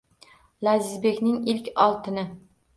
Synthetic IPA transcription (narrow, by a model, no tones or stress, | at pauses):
lazɪzbe̞kʲnɪŋɪlkʲɒlˠt̪ʰɪnɪ